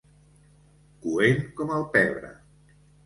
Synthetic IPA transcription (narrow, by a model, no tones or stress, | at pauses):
kuenkɔmalˠpɛβɾə̰